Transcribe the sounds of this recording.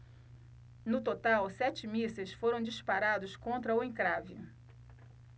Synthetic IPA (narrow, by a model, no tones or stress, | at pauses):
nʊt̪ot̪awsɛt͡ʃɪmisɐsfoɾɐ̃w̃d͡ʒispaɾad̪ʊskõnt̪ɾɐʊẽkɾavɪ